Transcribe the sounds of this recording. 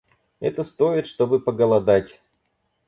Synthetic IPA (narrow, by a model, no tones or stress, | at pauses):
ɛ̰t̪əst̪oɪt̪ʂt̪o̞bɨpəɡəlˠɐd̪atʲ